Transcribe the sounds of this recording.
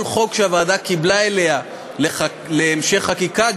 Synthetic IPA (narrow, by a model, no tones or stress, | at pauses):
lχo̞kʃeavaːd̪akiblaelea | le | leːmʃeχakika